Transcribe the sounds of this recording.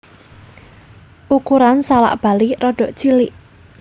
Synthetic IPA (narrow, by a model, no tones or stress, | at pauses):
ʔukuɾansala̰ʔb̥a̤lirɔɖ̥ɔ̤ʔt͡ʃilɪʔ